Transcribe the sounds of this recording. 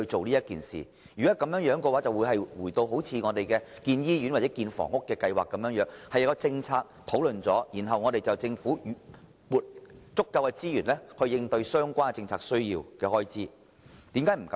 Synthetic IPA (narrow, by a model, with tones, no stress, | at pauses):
hɵ˧t͡so˨wliː˥jɐ˥t̚kiː˨nsḭː˨˩ | jyː˨˩kɔː˨˥kɐ˨˥mjœː˨˧˥ŋjœː˨˥ŋkɛ˧waː˨˥t͡sɐ˨wuː˨˧jɦɐ˨jwuː˨˩t̪o˧wɦo˨˥wt͡sʰiː˨˧ŋɔː˨˧t̪e˨jkɛː˧kiː˧njiː˥jyː˨˥nwaː˨˩t͡sɛ˨˥kiː˧nfɔ̰˨˩ŋʊ˥kːɛː˧kɐ˧jwaː˨˩kːɐ˨˧mjœː˨˥ŋjœː˨˥ŋhɐ˨jɐ˨˧kɔ˧t͡sɪ˧ŋt͡sʰaː˧k̚t̪ʰo˨˥wlɵ˨nt͡sɔː˨˥jiː˨˩nɦɐ˨wŋɔː˨˧t̪e˨jt͡sɐ˨wt͡sɪ˧ŋfuː˨˥˨ | muː˨˩t̚t͡sʊ˥kːɐ˧wkɛ˧t͡siː˥jyː˨˩nlɛ˥hɵ˧ɥjɪ˧ŋt̪ɵ˧ɥsœː˥ŋkʷaː˥nkɛ˨˩t͡sɪ˧ŋt͡sʰaː˧k̚sɵ˥ɥjiː˧wkɛː˧hɔː˥jt͡siː˥ | t̪iː˨˥mkaː˨˥jm̩˨˩kɐ˨˦